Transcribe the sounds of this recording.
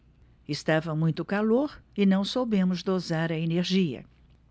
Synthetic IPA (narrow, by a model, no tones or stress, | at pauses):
ɪst̪avɐmũj̃t̪ʊkaloɾɪnɐ̃w̃sobẽmʊzd̪ozaɾɐeneɾʒiɐ̰